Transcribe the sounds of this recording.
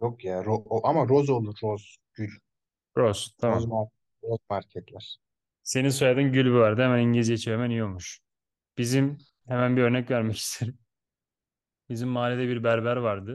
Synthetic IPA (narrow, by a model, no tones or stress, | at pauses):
jokjaːɾooʔamaɾozolˠuɾːoz | ɟ̥ylʲ | ɾoz̥t̪ʰamazmaɾ | ɾozmaɾcʰɛt̪lʲæɾ̥ | se̞nisojad̪ɯnɟylʲbivaɾd̪ɯhemæniɲɟilʲizjet͡ʃʰiɛmænijomuʃ | b̥izim | hemænbiø̞ɾnɛcvæɾmɛcʰi̥st̪ʰeɾim | bizimːaːlʲed̪ɛbiɾbæɾbæɾvaɾd̪ɯ